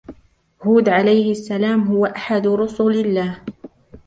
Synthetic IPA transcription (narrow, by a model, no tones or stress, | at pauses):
huːd̪ʕalajhɪʔasːalaːmɦʊwaʔaħad̪ɾʊsʊlɪlːaːh